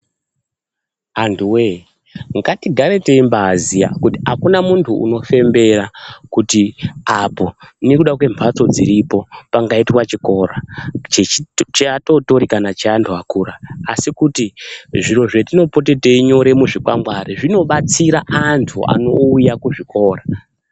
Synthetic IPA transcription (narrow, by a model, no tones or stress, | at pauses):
antʰuwe | ŋɡatiɡʱaɾete̞imbazija̰kutiakunamuntʰuṵno̞fe̞mbe̞ɾakutiapo̞nekuɗak̬we̞mpʰat͡so̞d͡ziɾipo̞paŋɡaitwat͡ʃiko̞ɾat͡ʃet͡ʃeato̞to̞ɾikanat͡ʃeantʰuakuːɾaːsikutiʐiro̞ʐetino̞pot̬e̞te̞iɲo̞ɾe̞muʐikwa̰mɡwaɾiʐino̞ɓat͡siɾaʔantʰua̰no̞ujakuʐiko̞ːra